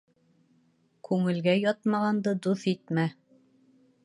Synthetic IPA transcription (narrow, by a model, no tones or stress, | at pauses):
kʉŋɘ̆lɡæjɒt̪mɑʁɑnd̪ɤd̪uθit̪mæ